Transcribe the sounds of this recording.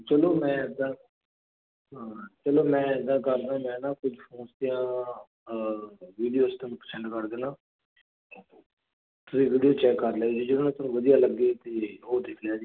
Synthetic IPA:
t͡ʃəloːmɛ̃ːd̪ãː | t͡ʃəloːmɛ̃ːd̪ãːkəɾd̪ãːmɛ̃ːnãːkʊd͡ʒfʰoːnst̪ijãː | ʋiːɖijoːst̪ẽːnũːpəɾsɛ̃ɳʈkəɾd̪eːnãː | t̪ʊsĩːʋiːɖijoːt͡ʃɛːkːəɾljaːd͡ʒiːd͡ʒɪɽoːnãːt̪ʊnũːʋəd̪ijaːləɡːeːt̪eːɦoːd̪ɪkʰljaːd͡ʒiː

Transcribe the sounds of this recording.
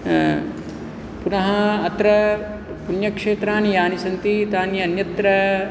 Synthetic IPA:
punɐɦɐːt̪ɾɐ | punjɐkʂeːt̪ɾaːnjaːnisɐnt̪it̪aːnjɐnjɐt̪ɾɐ

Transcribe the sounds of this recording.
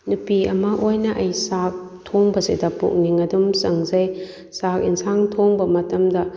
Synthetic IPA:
nupiɐmɐʔojnɐʔɐjsak̚ | tʰoŋbɐsidɐpṵk̚niŋɐdumsɐŋzɐj | sak̚insʰaŋtʰoŋbɐmɐtɐmdɐ

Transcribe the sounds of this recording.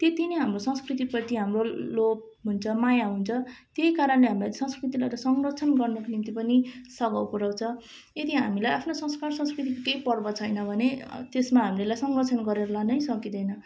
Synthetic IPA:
t̪jet̪inʌɦamrosʌ̃ŋskrit̪̬ipʌt̪iɦamrolop̚ | ɦunt͡sʰʌmajaɦunt͡sʰʌt̪jejkaɾʌnleɦamilat̪sʌ̃skrit̪ilajɾʌsʌŋrʌt͡sʰʌnɡʌrnʌkonimt̪ipʌnisʌɡawpuɾawt͡sʰʌ | ed̪iɦamilajʔapʰnosʌ̃ŋskarsʌ̃skrit̪ikokejpʌrbʌt͡sʰʌjnʌbʱʌnet̪esmaɦamilelajsʌŋɡʌt͡sʰʌnɡʌɾeɾʌlanʌjsʌkid̪ʌjnʌ

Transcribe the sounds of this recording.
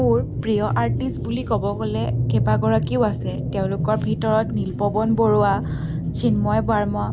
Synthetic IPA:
uɹpɹijɔʔaɹtistbulikɔbɔɡolɛkʰɛpaɡɔɹakiʊasɛteʊ̃lʊkɔɹbʱitɔɹɔtnilpɔbɔnbɔɹua | t͡ʃʰinmɔjbaɹmɔ

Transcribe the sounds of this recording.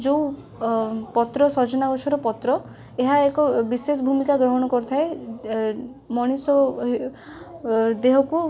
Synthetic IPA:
d͡ʒo | pɔt̪ɾɔsɔd͡ʒɔnaɡɔt͡ʃʰɔɾɔpɔt̪ɾɔ | eɦaekɔbises̬ɔbʱumikaɡɾɔɦɔɽ̃ɔkɔɾut̪ʰae | mɔɽ̃isɔ | d̪eɦɔku

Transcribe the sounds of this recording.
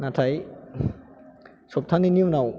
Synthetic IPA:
natʰaj | sop̚t̪ʰanːiniwnaw

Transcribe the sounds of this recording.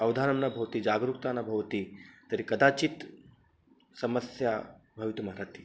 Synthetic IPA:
ɐwd̪ʱaːnɐmnabʱɐʋt̪id͡ʒaːɡɾuk̚t̪anabʱɐʋt̪it̪ɐɾikɐd̪at͡ʃit̪ | sɐməsja | bʱɐʋit̪umaɾat̪i̥

